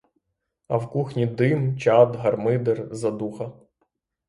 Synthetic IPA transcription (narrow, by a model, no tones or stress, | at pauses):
ɐwkuxnʲid̪ɪmt͡ʃɑd̪ɦɐrmɪd̪erzɐd̪uxɐ